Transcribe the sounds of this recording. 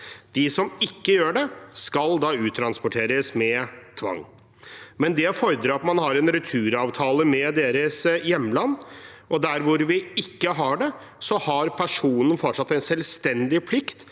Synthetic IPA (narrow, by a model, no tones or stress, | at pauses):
d̪̥ɪsɔmɪkːəjøːɖɛskɑld̪ɑːʉːt̪ʰɾɑnspɔʈʰeːɾəsmɛt̪ʰʋɑ̰ŋː | mɛnd̪ɛfɔɾd̪ɾoɑt̪mɑnhɑɾɛnɾʉt̪ʰʉːɾɑːʋt̪ʰɑːləmɛd̪eːɾəsjɛmːəlɑnːʔɔd̪æɾʋʊɾʋɪɪkːəɦɑɖɛ | sɔhɑɾpʰæʂuːnənfɔʈʂɑt̪ːɛnsɛlst̪ɛnd̪ɪpʰlɪkt̪